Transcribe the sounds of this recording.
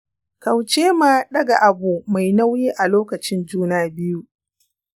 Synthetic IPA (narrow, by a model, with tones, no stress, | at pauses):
ka˨wt͡ʃeː˦maː˦˨ɗɐ˦ɡa˨ʔa˨bu˨ma˨jna˦wjiː˦ʔa˨loː˦kɐ˨t͡ʃɪ˦nd͡ʒuː˦naː˨bɪ˦ju˦